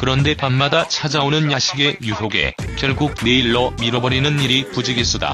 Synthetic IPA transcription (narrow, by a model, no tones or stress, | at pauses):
kɯɾʌnde̞panmadat͡ɕʰad͡ʑaonɯnjaɕʰiɡe̞jusʰoɡe̞̰kjʌɭɡuɡ̚ne̞iɭːʌmiɾʌbʌɾinɯniɾipud͡ʑiɡes͈uda̰